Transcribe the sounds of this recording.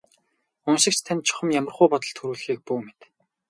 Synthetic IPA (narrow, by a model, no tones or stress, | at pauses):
ʊnʃɪ̆k̚t͡ɕʰt̪ʰanʲt̪t͡ɕʰʊ̥χə̆mjamə̆rʁʊːpɔt̪ɞ̆ɮt̪ʰɵɾuːɮxiːk̚puːmet̪